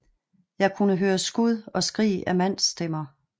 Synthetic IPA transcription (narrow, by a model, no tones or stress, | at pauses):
jɑ̈ɪkʰunəɦøːɐsɡ̥uð̞ˠɒ̽sɡ̥ʁḭːʔæmæn̰sd̥emɐ